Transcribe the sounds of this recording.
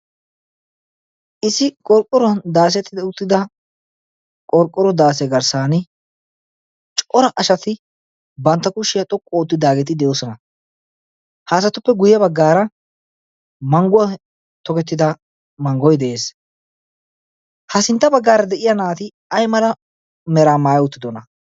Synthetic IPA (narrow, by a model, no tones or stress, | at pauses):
ʔɪsɪkʼɔɾkʼːɔɾɔnd̪aːs̬ɛt̪ːɪd̪ɛʊt̪ːɪd̪ɐ | kʼɔɾkʼːɔɾɔd̪aːsɛɡɐɾsaːnɪ | t͡ʃʼɔɾɐʔɐʃɐt̪ɪ | bɐnt̪ːɐkʊʃːɪjɐt̪ʼɔkʼːɔːt̪ːɪd̪aːɡɛt̪ɪd̪ɛjo̞ːsɔnɐ | haːs̬ɐt̪ːʊpːɛɡʊjɐbɐɡːaːɾɐ | mɐŋɡʊɐ | t̪ɔkɛt̪ːɪd̪ɐ | mɐŋɡɔjd̪ɛʔe̞ːs | hɐsɪnt̪ːɐbɐɡːaːɾɐd̪ɛʔɪjɐnaːt̪ɪ | ɐjmɐlɐ | mɛɾaːmaːjʊt̪ːɪd̪ɔnɐ